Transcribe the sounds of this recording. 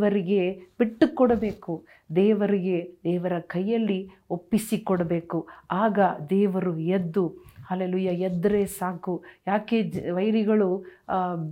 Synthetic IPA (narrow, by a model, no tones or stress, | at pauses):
ɐɾiɡe̞b̥iʈːukɔɽɐbe̞ːku | d̪ɛːʋɐɾiɡe̞d̪ɛːʋɐɾɐkɐjːɐlːi | opːisikɔɽɐbe̞ːkuaːɡɐd̪ɛːʋɐɾued̪ːuhɐleːluːjaːjɛd̪ːɐɾeːsaːkujaːke̞ːd͡ʒʋɐjɾiɡɐɭu